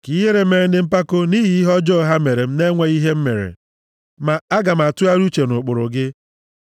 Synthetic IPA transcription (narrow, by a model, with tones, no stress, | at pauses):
ki˦ɦe˦ɾe˨˦me˨ɾe˨n̩˦dɪ˨m̩˦pa˦ko˦ni˦ɦi˨˦i˦ɦɔ˦d͡ʒɔ˦˨ɦa˦me˨ɾe˨m̩˦ne˦ŋʷe˦i˦ɦe˦m̩˦me˨ɾḛ˨ | ma˨a˦ɡa˨m̩˨a˨tʊ˦a˦ɾu˦t͡ʃe˨nʊ˨k͡pʊ˨ɾʊ˨ɡɪ˦